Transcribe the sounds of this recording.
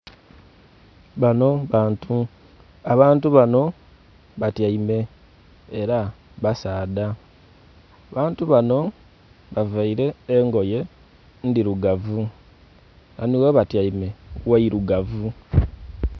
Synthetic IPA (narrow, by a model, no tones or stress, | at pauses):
βanotu | aβaːntuβano̞ | βatjaime̞ː | ɾa | βasaːda | βaːntuβano̞ | βavaiɾe̞ːŋɡo̞je̞ | ndiɾuɡavu | naniweβatjaime̞waiɾuɡavu